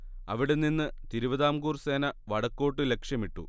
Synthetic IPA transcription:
ɐʋiɽenːinːɨt̪iɾuʋɐðaːmɡuːrse̞ːnɐʋɐɽɐkːo̞ːʈːɨle̞kʂjɐmiʈːṵ

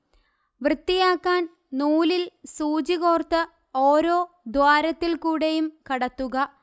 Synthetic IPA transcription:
ʋrɨt̪ːijaːkːaːn | nuːlilsuːd͡ʑiɣo̞ːrt̪ːɨ | oːɾo̞ː | d̪waːɾɐt̪ːilkuːɽejumkɐɽɐt̪ːuɣɐ

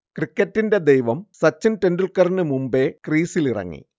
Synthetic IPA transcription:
krikːɐtːinde̞d̪ejʋɐmsɐt͡ɕːɐntendulkɐrnɨmumbe̞kriːsilirɐ̰ŋːḭ

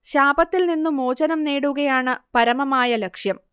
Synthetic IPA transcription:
ɕaːbɐt̪ːilninːumo̞ːd͡ʑɐnɐmneːɽuɣɐjaːɳɨpɐɾɐmɐmaːjɐlɐkʂjɐm

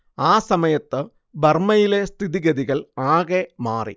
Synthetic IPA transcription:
aːsɐmɐjɐt̪ːɨ | bɐrmɐjile̞st̪ʰiðiɡɐðiɣɐlaːɣemaːrḭ

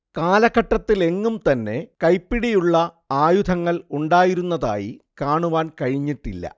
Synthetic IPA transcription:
kaːlɐɣɐʈːɐt̪ːile̞ŋːumt̪ɐnːe̞kɐjpːiɽijuɭːɐ | aːjud̪ʰʱɐŋːɐɭuɳɖaːjiɾunːɐða̰ːjḭkaːɳuʋaːnkɐɻiɲːiʈːilːɐ̰

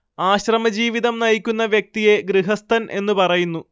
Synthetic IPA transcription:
aːɕrɐmɐd͡ʑiːʋiðɐmnɐjikʲːun̪ːɐʋjɐk̚t̪ijeɡriɦɐst̪ʰɐnʔe̞nːupɐrɐjunːu

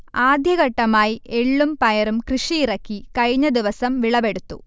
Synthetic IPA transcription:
aːd̪ʱjɐɣɐʈːɐmaːjieɭːumpɐjɐɾumkrɨʂiirɐkːikɐɻiɲːɐd̪iʋɐsɐmʋiɭɐbe̞ɽut̪ːṵ

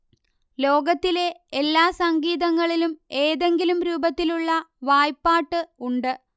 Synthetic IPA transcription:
lo̞ːɡɐt̪ːile̞elːaːsɐŋɡiːðɐŋːɐɭilume̞ːðe̞ŋɡilumɾuːbɐt̪ːiluɭːɐʋaːjpːaːʈːɨuɳɖɨ

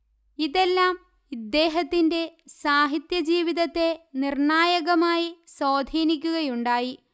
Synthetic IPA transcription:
iðe̞lːaːm | id̪ːe̞ːɦɐt̪ːinde̞saːɦit̪jɐd͡ʑiːʋiðɐt̪ːe̞nirɳaːjɐɣɐmaːjisoːd̪ʱiːnik̬ʲːuɣɐjuɳɖaːji

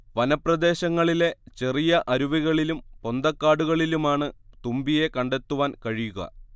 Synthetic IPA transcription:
ʋɐnɐprɐd̪e̞ːɕɐŋːɐɭile̞t͡ɕe̞rijɐʔɐɾuʋiɣɐɭilumpo̞nd̪ɐkːaːɽuɣɐɭilumaːɳɨt̪umbije̞kɐɳɖe̞t̪ːuʋaːnkɐɻijuɣɐ̰

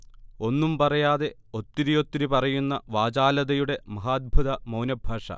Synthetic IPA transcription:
o̞nːumpɐrɐjaːðe̞ | o̞t̪ːiɾijo̞t̪ːiɾipɐrɐjunːɐʋaːd͡ʑaːlɐðɐjuɽe̞mɐɦaːd̪̚bʱuðɐmɐwnɐbʱɐːʂɐ̰

